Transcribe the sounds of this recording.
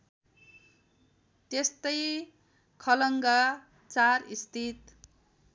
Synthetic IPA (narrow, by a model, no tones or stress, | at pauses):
t̪est̪ʌj | kʰʌlʌŋɡa | t͡sarist̪ʰit̪